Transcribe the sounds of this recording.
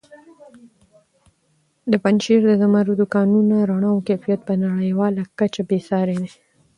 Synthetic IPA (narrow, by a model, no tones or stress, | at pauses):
d̪əpanʃiɾd̪əzamaɾud̪ukɑnunaɾaɳawkefijat̪̚pənaɽəjwɑlakat͡ʃabesɑɾene